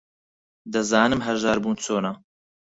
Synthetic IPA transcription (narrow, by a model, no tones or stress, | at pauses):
d̪ɨzaːnɨmɦɐɾʒɑːɾbuːnt͡sʰoːna